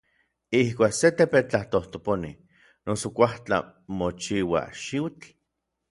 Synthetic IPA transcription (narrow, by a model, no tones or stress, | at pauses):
ihkʷaːkset̪epet͡ɬaht̪oht̪oponḭ | nosokʷaht͡ɬa̰ | mot͡ʃiwa̰ʃiwt͡ɬ